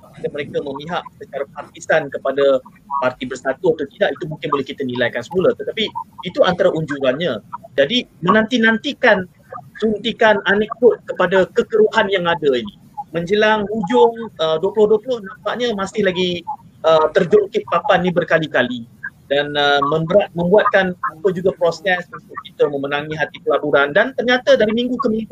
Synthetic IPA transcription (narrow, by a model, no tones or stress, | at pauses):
t̪ikaməɾekaməmiɦaʔsət͡ʃaɾapart̪isankəpada | part̪ibərsat̪ʊt̪ut̪idaʔit̪umũŋkɪnbolɛhkit̪ənĩlajkansəmuləht̪ət̪apiːt̪uʔant̪aɾaʔuɲd͡ʒuɾanɲad͡ʒadimənãnt̪inant̪ikan | sunt̪ikananɛk̚dʊt̪̚kəpadakəkəɾuɦanjaŋadaini | mə̃ɲd͡ʒəlaŋud͡ʒʊŋəduəplʊhduəplʊhnampaʔɲamasɪhlaɡi | ət̪ərd͡ʒɔŋkɪʔ̚papannibərkalikalidanəmə̃mbəɾat̪̚mə̃mbuat̪̚kanupəd͡ʒuɡapɾosɛsməŋsakit̪əmə̃mənaŋĩɦat̪ikəlabuɾandant̪ərɲat̪adaɾimiŋɡukəmĩŋu